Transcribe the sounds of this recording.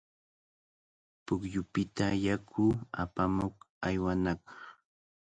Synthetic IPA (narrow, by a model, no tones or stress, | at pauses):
pʊkjʊpɪt̪ajakʰuːa̰pamʊk | ajwanɑk